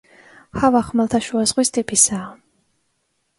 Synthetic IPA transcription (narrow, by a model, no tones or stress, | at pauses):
havaχmalˠt̪ʰaʃuazʁwist̪ʼipʰʼisaː